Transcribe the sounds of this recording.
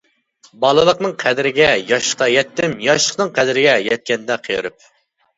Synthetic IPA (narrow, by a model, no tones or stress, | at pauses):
bɑlˠɨlˠəqnɨŋqʰɛd̪ɪɾɪɡʲɛjɑʃə̥qɑjɛt̪ːɪmjɑʃlˠəqnɨŋqʰæd̪ɪɾɪɡʲɛjɛt̪̚kʲɛnd̪ɛqʰeɾup̚